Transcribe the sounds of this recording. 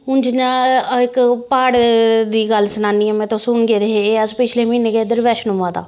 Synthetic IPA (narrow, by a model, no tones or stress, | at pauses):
ʊnd͡ʒnaːɪkpaːɽd̪iːɡəlsənaːniːɛmɛ̃ːt̪õːsʊnɡeːɾəɦeeːəd͡ʒpɪt͡ʃʰleːminẽːked̪əɾʋɛːʃnũmãːt̪a̰ː